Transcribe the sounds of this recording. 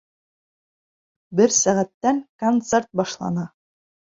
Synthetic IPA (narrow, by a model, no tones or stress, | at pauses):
bɘɾsæʁæt̪ːæŋkont̪seɾt̪̚bɑʃlˠɑ̰nɑ